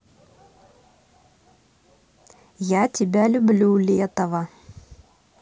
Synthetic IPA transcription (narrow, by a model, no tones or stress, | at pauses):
jatʲɪbʲalʲʊblʲulʲɛt̪əvə